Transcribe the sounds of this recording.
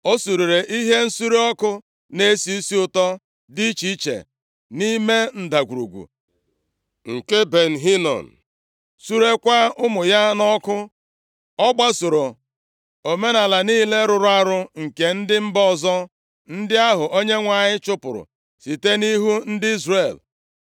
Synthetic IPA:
o˦su˨ɾi˨ɾe˨ʔi˦ɦe˦n̩˦su˦ɾe˦ɔ˦kʊ˦ | ne˦si˦i˦si˦ʊ˨tɔ˦ | di˦t͡ʃi˦t͡ʃḛ˨ | ni˦me˦n̩˨da˨ɡʷu˨ɾṵ˨ɡʷṵ˨ | ŋ̩˨ke˦be˨n̩˨ɦi˦nɔ̰˨n̩˨ | su˦ɾe˦kʷa˦ʊ˦mʊ˨ja˦nɔ˦kʊ˦ | ɔ˦ɡ͡ba˦so˨ɾo˨ | o˨me˦na˨la˨niː˦le˦ɾʊ˨ɾʊ˦a˦ɾʊ˦ŋ̩˨ke˨n̩˦dɪ˦m̩˦bɔ˦˨zɔ˦ | n̩˦dɪ˦a˦ɦʊ˨ʔo˦ɲe˦ŋʷa˨ɲɪ˦t͡ʃʊ˦pʊ˨ɾʊ̰˨ | si˨te˦ni˦ɦu˦n̩˦dɪ˦i˦zre˨l

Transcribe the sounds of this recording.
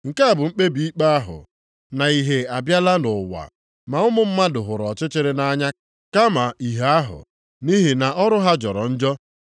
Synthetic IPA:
ŋ̩˨ka˦˨bʊ˨ŋ͡m̩˦k͡pe˦bi˨i˦k͡pa˦a˦ɦʊ̰˨ | na˨i˨ɦe˨a˨bja˦la˦nʊ˨wa̰˨ | ma˨ʊ˦mʊ˦m̩˦ma˦dʊ˨ɦʊ˨ɾɔ˨t͡ʃɪ˦t͡ʃɪ˦ɾɪ˦na˦ɲa˦ | ka˦ma˨i˨ɦa˦ɦʊ̰˨ | ni˦ɦi˨na˨ʔɔ˦ɾʊ˦ɦa˦d͡ʒɔ˨ɾɔ̰˨n̩˦d͡ʒɔ˦

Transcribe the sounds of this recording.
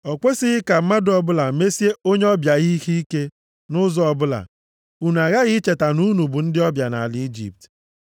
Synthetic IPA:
ɔ˨kʷe˦sɪ˦ɣɪ˦ka˨m̩˦ma˦dʊ˦ɔ˨bʊ˦la˨me˦si˦e˦o˦ɲe˦ɔ˦bja˨ɣi˦i˦hi˦i˦ke˦ | nʊ˦zɔ˦ɔ˨bʊ˦la̰˨ | u˨n˨a˨ɣa˦ɣɪ˦t͡ʃe˨ta˨nu˦nu˨bu˨n̩˦dɪ˦ɔ˦bja˨na̰˨a˨li˦i˦d͡ʒḭ˨p̚t

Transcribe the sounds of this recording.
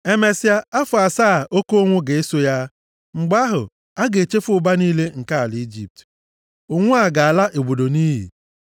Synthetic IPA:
e˦me˦si˦a˦a˦fʊ˨a˨saː˦˨ʔo˦ko˦o˦ŋʷʊ˦ɡe˨e˦so˦ja˦ | ŋ͡m̩˨ɡ͡ba˦ɦʊ̰˨ | a˦ɡe˨t͡ʃe˦fʊ˦ʊ˨ba˦niː˦le˦ŋ̩˨ka˦a˨lɪ˨i˦d͡ʒḭ˦p̚t | ʊ˦˨ŋʷʊ˦a˨ɡa˨a˨la˦ʔe˨ɡ͡bo˨do˨ni˦ɦḭ˨

